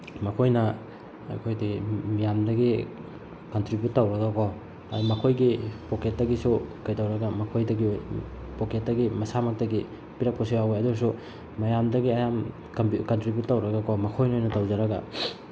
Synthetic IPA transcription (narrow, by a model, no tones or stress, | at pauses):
mɐkʰojnɐ | ɐ̰jkʰojdɐɡimijamdɐɡi | kɐntɾibjut̚ːawɾɐɡakʰo | ajmɐkʰojɡipoket̚dɐɡisukajdawɾɐɡɐmɐkʰojdɐɡiojpoket̚dɐɡimɐsamɐk̚tɐɡi | piɾap̚kʰosiwawojɐdusu | mɐjamdɐɡiɐjam | kɐntɾibjutːawɾɐɡakʰomɐkʰojnojnɐtawzɐɾɐɡa̰